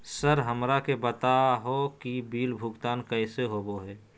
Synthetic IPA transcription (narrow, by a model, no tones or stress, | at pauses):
səɾɦəmɾakebət̪aɦokibiːlbʱʊɡt̪aːnkəɪseɦoːboɦɛː